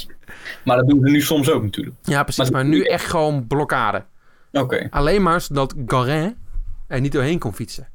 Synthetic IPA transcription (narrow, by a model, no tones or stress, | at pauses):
madɔdunzənysoms̬owknətʰy̰ːləkjaprəsasmarnyɛxtxəʋoːnbloka̰ːdə̰ | okḛːʔaleːnmaːsdɔtɡɔrɛ̃ | ɛrnitoːɦeːnkonfitsə